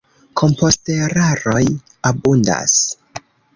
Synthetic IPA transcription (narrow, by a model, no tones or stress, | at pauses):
kʰo̞mpo̞ste̞ɾaɾo̞j | abunda̰s